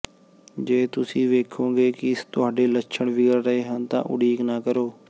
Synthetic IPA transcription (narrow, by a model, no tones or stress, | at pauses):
d͡ʒeːt̪ʊsĩːʋeːkʰõːɡeːkɪɪst̪ʊaːɖeːlət͡ʃʰəɳʋɪɡəɾːəeːɦənt̪ã̰ːʔʊ̰ɽiːknaːkəɾoː